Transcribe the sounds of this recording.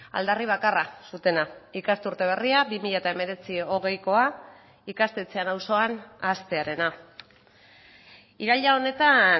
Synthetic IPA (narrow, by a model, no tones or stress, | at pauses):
a̰ld̪ariβ̞akarasut̪e̞naikast̪uɾt̪e̞β̞e̞riabimiʎat̪ae̞me̞ɾe̞t͡sio̞ɣ̞e̞jko̞a | ikast̪e̞t͡se̞anawso̞anast̪e̞aɾe̞na | iɾaʎao̞ne̞t̪a